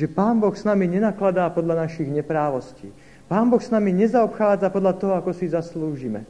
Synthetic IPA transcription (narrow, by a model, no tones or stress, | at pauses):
ʒɛpaːnbɔxsnamiɲɛnaklad̪aːpɔd̪ʎanaʃiɣɲɛpɾaːʋɔscḭː | paːnbɔxsnamiɲɛzaɔpxaːd͡zapɔd̪ʎat̪ɔɦɔakɔsizasluːʒimɛ̰